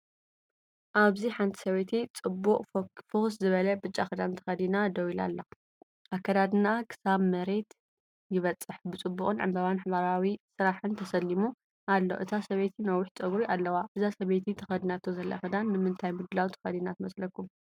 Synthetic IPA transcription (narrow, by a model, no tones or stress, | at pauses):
ʔaβziħant̪ʰi̥sɐβet̪ʰit͡sʼɨbːukʼfoszɨβɐlɐbɨt͡ʃʼːaxɨd̪ant̪ʰɐ̥xɐd̪inad̪ɐwila̰lːɐ | ʔakʰːɐd̪ad̪ɨnakʰɨ̥saβmɐɾe̞t̪ | jɪβɐt͡sʼːɨħbɨt͡sʼɨbːukʼɨnʕɨ̰mbaβanħβaɾawisɨɾaħɨnt̪ʰɐsɐlːimu | ʔalːo̰ʔɨt̪ʰasɐβet̪ʰinɐwʊħt͡sʼɐɡɾiʔalːɐwabɨzasɐβet̪ʰit̪ʰɐ̥xɐd̪inat̪ʰozɐlːa̰xɨd̪anːɨmɨnt̪ʰajmud̪ɨlawt̪ʰɐ̥xɐd̪inat̪mɐslɐkʰːum